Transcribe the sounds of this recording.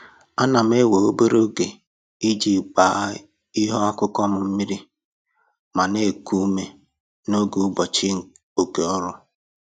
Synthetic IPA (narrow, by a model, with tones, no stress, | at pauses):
a˦na˨m̩˦e˦we˨o˦bo˦ɾo˦ɡe˨ | i˦d͡ʒi˨k͡pa˨˦ | i˦ɦɔ˦a˦kʊ˦kɔ˦m̩˨m̩˦mi˦ɾi˦ | ma˨ne˦˨ku˦me˦ | no˦ɡu˨˦bɔ˨t͡ʃi˦ŋ̩˨ | o˨ke˨ɔ˦ɾʊ˦